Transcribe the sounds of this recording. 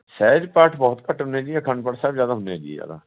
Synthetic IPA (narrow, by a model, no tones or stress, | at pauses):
sɛːd͡ʒpəʈʰbɔːt̪kəʈɦʊnːeːd͡ʒiɛkʰəɳɖpəʈsɛːbzjaːd̪aːɦʊned͡ʒḭːja̰ːd̪a̰ː